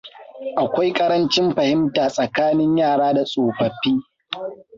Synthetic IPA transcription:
ʔa˨kʷa˦jkʼɐ˦ɽɐ˦nt͡ʃɪ˦mɸɐ˨hɪ˦mtaː˨sʼɐ˨kaː˦nɪ˦ɲjaː˦˨ɽaː˦da˨sʼoː˨ɸɐ˨ɸiː˦

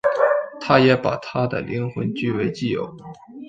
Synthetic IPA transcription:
t̪ʰa˥jɛ˧˥pa̰˨˩t̪ʰa˥d̪ə̰˨lʔi˧˥ŋxwə̰˧˥nt͡ɕy˥˧we˧˥ɪt͡ɕi˥˩jo̰˨˩ʊ

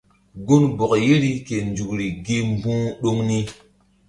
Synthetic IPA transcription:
ɡu˦nbo˨kje˦ɾi˦ke˨nd͡ʒu˨kɾi˨ɡi˦m˦bũ˦ɗo˦ŋni˦

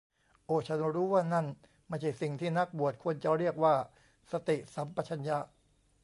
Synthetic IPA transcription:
ʔoː˧˩t͡ɕʰa˦˥nɾuː˦˥waː˥˩na˥˩n | ma˥˩jt͡ɕʰa˥˩si˨˩ŋt̪ʰiː˥˩na˦˥k̚bu˨˩ət̪̚kʰo˧ənt͡ɕa˨ɾi˥˩ək̚waː˥˩ | sa˧t̪i˨˩ʔsa˩˦mpa˧t͡ɕʰa˧nja˦˥ʔ

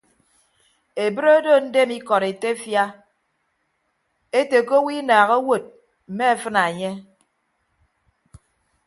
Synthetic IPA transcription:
e˨bɨ˦ɾo˦do˦˨n̩˦de˦mi˦kɔ˨ɾe˨te˦fja˦ | e˦te˨ko˦wi˦naː˨ɣo˦wo˨t̚ | m̩˨me˦e˦fɨ˦na˨e˨ɲe˦

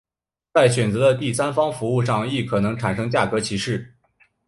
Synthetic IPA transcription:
t͡sa˥˩ɪɕɥɛ˨˩nt͡sɤ˧˥d̪ə˧t̪i˥˩sa˥nfɑ˥ŋfu˧˥u˥˧ʂ̬ɑ˥˧ŋi˥˩kʰɤ˨˩nɤ˧˥ŋʈ͡ʂʰa˨˩nʂɤ˥ŋt͡ɕja˥˩kɤ˧˥t͡ɕʰi˧˥ʂɻ̩˥˩

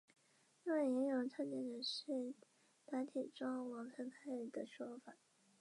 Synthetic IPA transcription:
i˥ŋwe˥˩ɪjɛ˧˥ŋjo˨˧˩ŋt͡sʰa˥˧nt͡ɕɛ˥˩nd̪ə˩ʂɻ̩˥˩ | na˧˥nt̪ʰi˨˩ʈ͡ʂɑ˥ŋwɑ˧˥ŋkʰə˧˥p̪ʰa˥˨˩d̪ə˩ʂwɔ˥fa˨˩˦

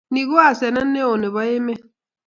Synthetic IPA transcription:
ni˨ɣo˦a˨sɛ˨na˦n̩ː˦e˦o˨ne˨βɔ˦e˦me˦

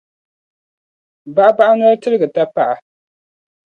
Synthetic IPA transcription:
ba˦ʔa˦ba˦ʔa˦nʊ˦ɾtɨ˦ɾɨ˦ɡɨ˨ta˦pa˦ʔa˨

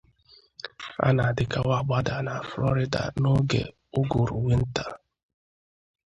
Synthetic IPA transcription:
a̰˦na˨dɪ˨ka˨wa˦˨ɡ͡ba˦da˨na˨flɔ˦ɾɪ˦da̰˨no˦ɡḛ˨ | ʊ˦ɡo˨ɾṵ˨ŋʷe˦n̩˦ta˦

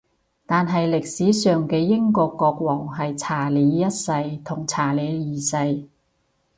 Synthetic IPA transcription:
t̪aː˨nɦɐ˨jlɪ˨k̚siː˨˥sœː˨ŋkɛː˧jɪ˥ŋkɔː˧kːɔː˧k̚wɔː˨˩ŋɦɐ˨jt͡sʰaː˨˩liː˨˧˥jɐ˥t̚sɐ˧jt̪ʰʊ˨˩ŋt͡sʰaː˨˩liː˨˧jiː˨˩sɐ˧j

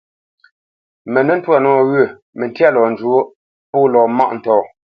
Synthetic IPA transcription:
mɛ˨nə˦n̩˦twa˦˨nɔ˦˨ɣə˦˨ | mə˨n˦tja˦lɔː˨n̩˨d͡ʒu˨o˦ | poː˦lɔː˨ma̰˦˨ʔn̩˨tɔː˨

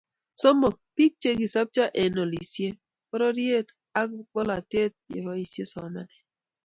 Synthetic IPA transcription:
sɔ˦mɔ˨k̚pi˦k̚t͡ʃe˦ɡi˨sa˦p̚t͡ʃa˦ʔe˨no˨li˨sje˦ | pɔ˦ɾɔ˦ɾje˦t̪ | a˦k̚ɡ͡bɔ˦la˨te˦t̪̚ɪ̰˨ɾɔ˦i˨sje˦sɔ˨na˦nɛ˨

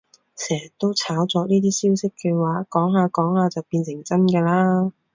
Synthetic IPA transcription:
sɛː˨˩˨t̪ːo˥wt͡sʰaː˨˥wt͡sɔː˨˧niː˥t̪̬iː˥siː˥wsɪ˥kːɛ˧waː˨˥kɔː˨˥ŋɦaː˨˧kɔː˨˥ŋhaː˨˧t͡sɐ˨wpiː˧nsɪ˨˩ŋt͡sɐ˥nkɛː˧laː˥

